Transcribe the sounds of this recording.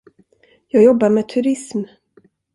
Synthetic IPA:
jɑːɡjɔbːaɾmeːt̪ʰɵɾɪsm

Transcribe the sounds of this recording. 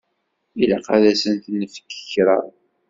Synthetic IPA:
ilaqɑðæsənt̪nːəfə̥kːə̥çɾˤɑ̰ɾˤ

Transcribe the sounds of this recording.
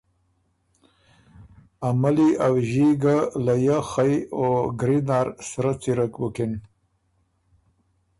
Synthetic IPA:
amaliʔawʒiɡalajaxajoɡɾinaɾsɾat͡siɾakwəkin

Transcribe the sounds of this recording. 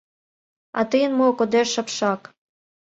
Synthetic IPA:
ɑ̰t̪əjənmokod̪eʃə̆pʃɑk

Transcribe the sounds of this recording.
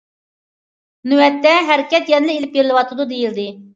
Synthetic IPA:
nywɛt̪ːɛɦæɾkʲɛt̪jɛnlɪelɪpjeɾɪlˠɨwɑt̪ʰɨd̪ud̪ejild̪ɪ

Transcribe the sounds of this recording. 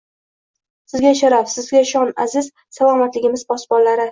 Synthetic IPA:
sɪzɡʲaʃaɾafsɪzɡʲaʃɒnazɪz | salˠɒmat̪lɪɡʲɪmɪzbɒsbɒlːaɾɪ

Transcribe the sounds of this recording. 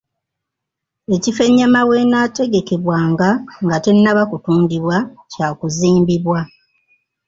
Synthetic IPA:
e̞cifeɲːamawe̞naːte̞ɡe̞ke̞βwaːŋɡaŋɡate̞nːaβakutuːndiβwacaːkuziːmbiβwa

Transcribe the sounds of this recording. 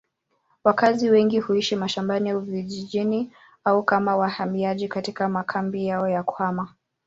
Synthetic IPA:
wakaziwɛŋɡihuiʃimaʃambaniauviʄiʄini | aukamawahamiaʄikatikamakʰambijaɔjakwama

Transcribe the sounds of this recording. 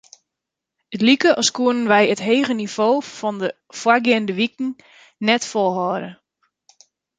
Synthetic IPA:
ətlikəʔɔskuənənʋɛjətɦeːɣəniv̥oːfɔndə | fwaɡɪndəʋikŋ̩ | nɛtfɔlˠɦɔːɾə

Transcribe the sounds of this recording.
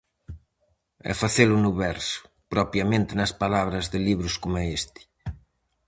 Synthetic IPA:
ɛ̰faθelʊnʊβɛɾsʊ̥ | pɾɔpjɐmẽnt̪ɪnɐspalaβɾɐzðɪliβɾʊskomʊɛest̪ɪ̥

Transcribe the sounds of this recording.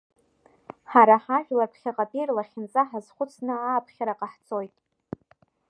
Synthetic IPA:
ħaɾaħaʒᶣlapʰχʲaqʼapʼirlaχʲɪnt͡sʼaħazχʷʊt͡sʰnɨaːpʰχʲaɾaqʼaħt͡sʰʼo̞jtʼ

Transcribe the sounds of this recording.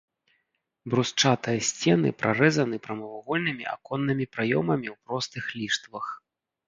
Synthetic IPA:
bɾust͡ʂat̪ɨjɐsʲt͡sʲɛn̪ɨ̰pɾʔarɛzɐnɨpɾɐmɐvaɣɔlʲnɨmʲḭa̰kɔnːɨmʲipɾajɔmɐmʲiwpɾɔst̪ɨxlʲiʂt̪vɐx

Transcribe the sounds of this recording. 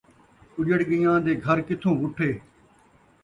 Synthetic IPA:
ʊd͡ʒəɽɡɪjãːd̪eːɡʱəɾkɪt̪ʰõːʋʊʈʰːeː

